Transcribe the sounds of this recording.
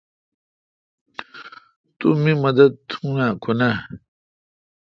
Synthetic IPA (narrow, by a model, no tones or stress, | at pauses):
t̪umimɐd̪ɐd̪̚t̪ʰũnakʰona